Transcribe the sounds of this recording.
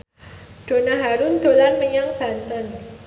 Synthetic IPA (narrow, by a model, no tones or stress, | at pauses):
d̥o̤naɦaɾʊnd̪̥olanməɲaŋb̥a̤nt̪ən